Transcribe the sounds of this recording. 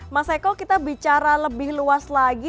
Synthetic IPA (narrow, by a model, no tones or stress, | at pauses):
masakɔkit̪abit͡ʃaɾaləbɪhluaslaɡi